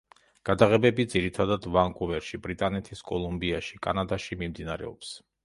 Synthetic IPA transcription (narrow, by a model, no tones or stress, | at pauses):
ɡ̥ad̪aʁɛbɛbid̪ziɾit̪ʰad̪ad̪vaŋkʼuvɛɾʃibɾit̪ʼanɛt̪ʰiskʼɔlˠumbiaʃikʼa̰nad̪aʃimimd̪inaɾɛ̰ɔps